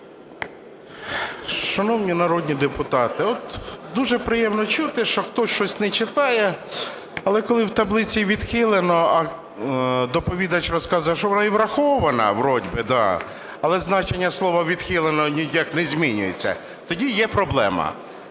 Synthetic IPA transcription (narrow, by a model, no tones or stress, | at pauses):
ʃɐnɔwnʲinɐɾɔd̪ʲnʲid̪epʊt̪ɑt̪ɪɔt̪d̪uʒɛpɾɪjɛmnɔt͡ʃut̪ɪʃt͡ʃɔxt̪ɔsʃt͡ʃɔsʲnɛt͡ʃɪt̪ɑjɛ | ɐlˠɛkɔlˠɪwt̪ɐblˠɪt͡sʲiʋʲid̪xɪlˠenɔɐ | d̪ɔpɔʋʲid̪ɐt͡ʃrɔskɑzʊjɐʃɔʋɔnɑiʋɾɐxɔʋɐnɐ̰ʋɾɔdʲbɪd̪ɑ̰ | ɐlˠɛznɑt͡ʃenʲːɐslˠɔʋɐʋʲid̪̥xɪlˠenɔnʲijaknɛzʲmʲinʲʊ̰jḛt͡sʲːɐ̰ | t̪ɔdʲijɛpɾɔblˠɛ̰mɐ̰